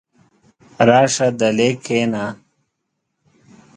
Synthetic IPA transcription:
ɾaːʂɐd̪ɐleːkʰeːnaː

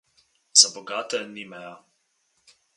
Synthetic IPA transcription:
zabɔɡaːt̪ɛnimɛja

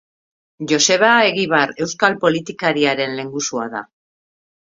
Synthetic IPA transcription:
ʝo̞se̞β̞ae̞ɣiβ̞aɾe̞wskalpo̞lit̪ikaɾiaɾe̞nle̞ŋɡusuaða̰

